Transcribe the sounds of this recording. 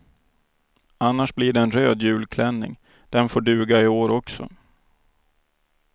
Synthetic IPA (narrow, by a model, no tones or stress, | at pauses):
anːaʂbliɖɛːnɾøːd̪jʉ̟ːlkʰlɛnːɪ̰ŋ | d̪̥ɛnfoːɖʉ̟ːɡaɪoːɾɔksɔ̰